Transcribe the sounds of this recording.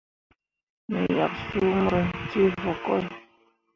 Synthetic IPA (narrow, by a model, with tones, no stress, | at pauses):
ne˨ja̰˨k̚su˦m˦ɾə˨ti˦vɔ˨kɔ˦j